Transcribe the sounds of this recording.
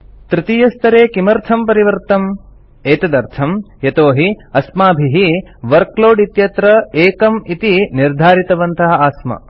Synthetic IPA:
t̪ɾit̪ijɐst̪ɐɾeːkimɐɾt̪ʰɐmpɐɾiʋɐɾt̪ɐm | eːt̪ɐd̪ɐɾt̪ʰɐm | jɐt̪oːɦi | ɐsmaːbʱiɦiʋɐɾkloːɖit̪jɐt̪ɾɐeːkɐmit̪iniɾd̪ʱaːɾit̪ɐʋɐnt̪ɐɦɐ̆aːsmɐ̰

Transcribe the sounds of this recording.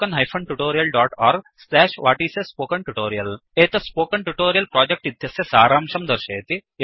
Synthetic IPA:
kɐnɦɐjfʰɐɳʈuʈoːɾijɐlɖɔːʈaːɾɡ | slɛːʃʋaːʈiːsespoːkɐɳʈuʈoːɾijɐleːt̪ɐspoːkɐɳʈuʈoːɾijɐlpɾɔːd͡ʑek̚ʈid̪ʱjɐsjɐsaːɾaːmʃɐmd̪ɐɾʃɐːt̪i

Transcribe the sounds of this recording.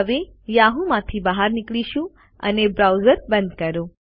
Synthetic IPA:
əʋejaɦũmãt̪ʰibaɦaɾnɪkɭiʃũ | ə̰nebɾawzəɾbənd̪̚kəɾo

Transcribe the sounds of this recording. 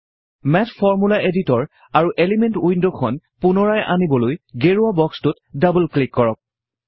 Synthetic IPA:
mɛtfɔɹmulaʔeditɔɹ | aɹuʔelimentujndɔkʰɔn | pʊnɔɹajʔa̰nibɔlojɡeɹuabɔkstʊt | dabulklikːɔɹɔk̚

